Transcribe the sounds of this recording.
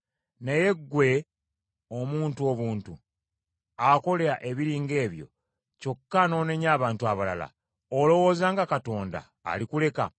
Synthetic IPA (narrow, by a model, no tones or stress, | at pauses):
neje̞ɡːwe̞ | omuːntuo̞βuːntu | ako̞leɾaʔe̞βiɾiːŋɡe̞ːβjo̞̰ | co̞kːano̞ːneɲaːβaːntuaβala̰la̰ | olo̞wo̞ːzaːŋɡakato̞ːnda̰ːlikule̞ka̰